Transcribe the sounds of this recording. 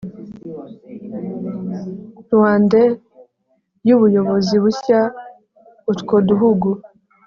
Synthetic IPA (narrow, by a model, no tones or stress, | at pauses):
ɾwaːnde | juβujo̞βo̞ziβuça | utkoduɦuɡu